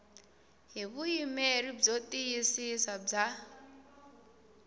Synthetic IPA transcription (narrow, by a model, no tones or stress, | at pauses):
ɦiβuimeɾib͡ʐot̪ʼijisisab͡ʐa